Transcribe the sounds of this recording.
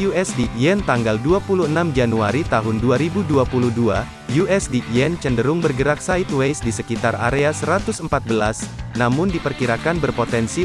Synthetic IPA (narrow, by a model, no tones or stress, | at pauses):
juɛsdiʔɛnt̪aŋɡalduapuluənamd͡ʒanuaɾit̪aɦʊnduaɾibuduapuluhdua | juɛsdiʔiɛnt͡ʃəndəɾʊŋbərɡəɾak̚sait̪wejsdisəkit̪ara̰ɾeasəɾat̪ʊsəmpat̪̚bəlasnamʊndipərkiɾakanbərpot̪ɛnsi